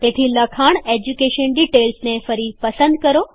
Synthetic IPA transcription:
t̪eːt̪ʰilɐkʰaːɽ̃ed͡ʑukeːʃənɖiʈeːlsnefɐɾipɐsə̃nd̪̚kɐɾo

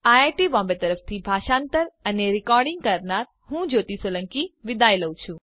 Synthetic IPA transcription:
ajaʈibɔ̃mbet̪əɾəft̪ʰibʱaʃãːnt̪əɾəneɾɪkɔɾɖɪ̃ŋɡkəɾnaɾ | ɦũd͡ʒot̪isələ̃ŋkiʋɪd̪ajləwt͡ʃʰũ

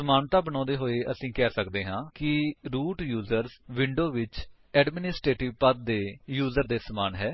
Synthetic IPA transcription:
səmaːnt̪ãːbəñɔ̃ːd̪eːɦoːeːʔəsĩːkɛːsəkd̪eːɦãːkɪɾuːʈjuːzəɾsʋɪɳɖoːʋɪt͡ʃ | ɛːɖmɪnɪsʈɾeːʈɪʋpəd̪̚d̪eːjuːzəɾd̪eːsəmaːnɦɛː

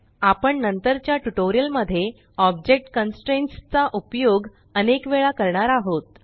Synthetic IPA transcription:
apəɳnənt̪əɾt͡ɕjaʈuʈoɾijəlməd̪ʱːje | ɔb̚d͡ʑek̚ʈkənsʈɾenst͡saʔupjoɡ | ənekʋeɭakəɾɳaɾaɦot̪

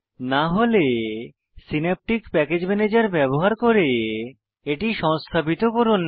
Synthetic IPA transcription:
naɦole | sinep̚ʈikpɛked͡ʑmɛned͡ʑaɾbɛboɦaɾkoɾe | eʈiʃɔŋst̪ʰapit̪okoɾun

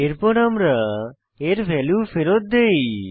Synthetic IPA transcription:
eɾpɔɾamɾa | eɾbʱɛljufeɾot̪̚d̪ej

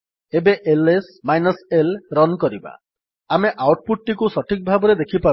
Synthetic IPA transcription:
ebeʔelesmajnɔselɾɔnkɔɾiba̰ | ameʔawʈ̚puʈ̚ʈikusɔʈʰik̚bʱabɔɾed̪ekʰipa

